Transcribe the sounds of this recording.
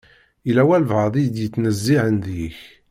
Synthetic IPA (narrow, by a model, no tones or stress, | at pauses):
ilæwælvʕəðˤid̪jət͡sːnəzːiʕənðiç